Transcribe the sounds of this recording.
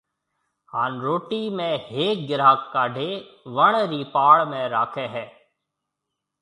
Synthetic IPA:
haːnɾoːʈiːmẽːɦeːk̚ɡɪɾaːkːaːɖʱeːʋəɳɾiːpaːɭmẽːɾaːkʰẽːɦɛː

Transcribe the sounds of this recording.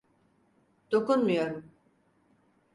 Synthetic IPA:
d̪̥o̞kunmujo̞ɾum

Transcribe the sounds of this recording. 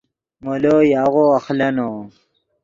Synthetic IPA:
molojaːɣoaxlɐno

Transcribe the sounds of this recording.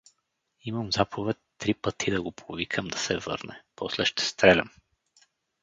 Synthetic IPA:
iməmzapʰovɛt̪ːɾipət̪ʰid̪ɐɡopʰovikʰəmd̪ɐsɛvɤ̰ɾnɛ̰pɔslɛʃt̪ɛ̥st̪ɾɛlʲɐ̰m

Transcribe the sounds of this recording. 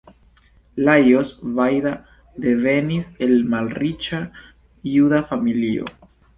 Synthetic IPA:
lajosvajda | de̞ve̞nise̞lmalrit͡ʃa | judafamilio̞̰

